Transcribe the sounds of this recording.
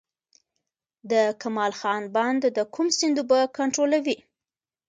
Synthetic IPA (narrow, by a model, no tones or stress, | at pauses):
d̪əkamɑlxɑnbɑnd̪d̪əkʰumsɪnd̪ubakaɳʈɾolawi